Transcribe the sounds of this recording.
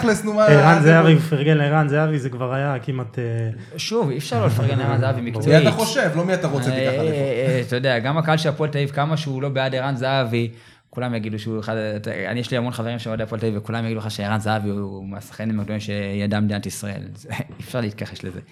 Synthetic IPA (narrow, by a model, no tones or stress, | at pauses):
lesnumaiʁanzeavifaʁɡenleiʁanzaavizekvaʁajakimat̪e | ʃuvifʃaʁlolefaʁɡenleiʁanzaavimikt͡soiiaχoʃevlomiataʁoe | tajodeaɡamakaalʃeapoeltaivkamaʃeulo̞beadiʁanzeavi | kulamjaɡiduʃueχadtaa̰nijeɛʃliamo̞nχaveʁimʃeodepːltaivekulamjaɡidueχaʃeiʁanzaaviumasḁχenlemaɡdoimʃejadamdenatisʁae̞̰lzeifʃaʁliitkaχeslezḛ